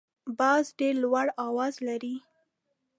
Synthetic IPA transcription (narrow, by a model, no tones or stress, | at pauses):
bɑzɖeɾlwaɽɑwɑzlaɾi